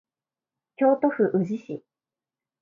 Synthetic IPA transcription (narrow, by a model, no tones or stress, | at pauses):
kʲo̞ːt̪o̞ɸɯ̟ʔɯ̟ʑiɕḭ